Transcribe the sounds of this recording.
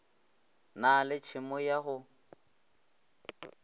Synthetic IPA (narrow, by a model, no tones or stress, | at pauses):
nalɪt͡ʃʰɪmɔjaɦʊ